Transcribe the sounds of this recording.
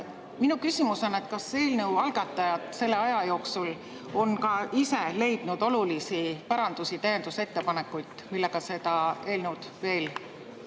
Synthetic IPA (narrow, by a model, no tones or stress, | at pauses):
minukysimuso̞ne̞t̪ˑkɑse̞ːlneuwɑlɡ̥ɑt̪ːˑɑjɑd̪̥se̞lːe̞ɑjɑjo̞ːksul | o̞nkɑise̞le̞jd̪̥nud̪̥o̞lulisipɑɾɑnd̪usit̪æje̞nd̪̥use̞t̪ːe̞pɑne̞kːˑujt̪ˑmilːeɡ̥ɑse̞d̪̥ɑe̞ːlnud̪̥ve̞ːl